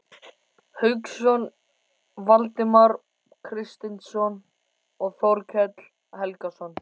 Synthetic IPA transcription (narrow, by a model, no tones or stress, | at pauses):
hʏksɔn | valt̪ɪmaɾ | kʰɾɪst̪ɪnsɔn | ɔɣθɔwɾcʰɛt̪l̥ | hɛlkasɔn